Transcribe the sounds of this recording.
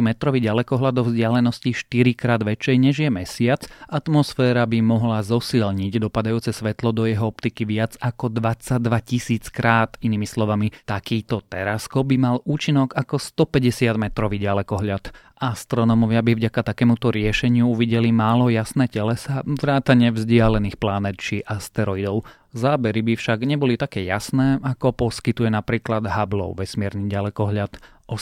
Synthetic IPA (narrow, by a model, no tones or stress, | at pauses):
mɛt̪ɾɔʋiɟalɛkɔɦlad̪ɔvzɟɪalɛnɔsciʃt̪iɾikɾaːd̪ʋɛt͡ʃɛjɲɛʒjɛmɛsɪat͡sat̪mɔsfɛːɾabimɔɦlazɔsilɲiɟd̪ɔpad̪ajuːt͡sɛsʋɛt̪lɔd̪ɔjɛɦɔɔp̚t̪ikiʋɪad͡zakɔd̪ʋat͡sad̪ʋacisiːt͡skɾaːt̪iniːmislɔʋamit̪akiːt̪ɔt̪ɛɾaskɔb̚bimaluːt͡ʃinɔɡakɔst̪ɔpɛɟɛsɪad̪mɛt̪ɾɔʋiɟalɛkɔɦʎat̪ | ast̪ɾɔnɔmɔʋɪabivɟakat̪akɛːmut̪ɔɾɪɛʃɛɲɪuuʋiɟɛlimaːlɔjasnɛːcɛlɛsaʋɾaːt̪aɲɪɛvzɟɪalɛniːxplanɛt̪t͡ʃiʔast̪ɛɾɔid̪ɔʊ | zaːbɛɾibifʃaɡɲɛbɔlit̪akɛːjasnɛːʔakɔpɔskit̪ujɛnapɾiːklad̪ɦablɔ̰ʊʋɛsmɪɛɾniːɟalɛkɔɦʎat̪ | ɔ